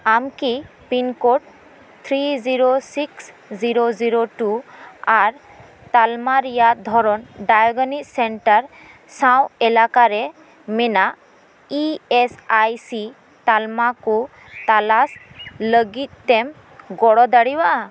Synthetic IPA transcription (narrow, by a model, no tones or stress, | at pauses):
amki | pinkoʈ̚ | t̪ʰɾiziɾosiks | ziɾoziɾoʈuaɾ | t̪almaɾijad̪ʱɔɾɔnɖajɔɡɔniksɛɳʈaɾ | sãwɛlakaɾɛ | mɛnaʔ | iesajsi | t̪almaku | t̪alasləɡit̪̚ˀt̪ɛm | ɡɔɽɔd̪aɽibaʔa